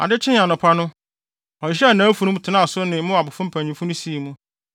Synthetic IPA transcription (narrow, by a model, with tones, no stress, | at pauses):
a̰˨dɪ˦t͡ɕʰɪ̃˦n˨a˨nʊ̃˨pʰa˦nʊ̃˦ | ɔ˨ɕɛ˦˨nãː˨˦fu˨nʊ̃˦m˦tʰɪ˨nã˦˨sʊ˦nɪ̃˨mʊ̃˦a˨bʊ˨fʊ̃˦m̩˦pʰæ̃˨ɲĩ˨fu˦nʊ̃˦si˦˨mũ˦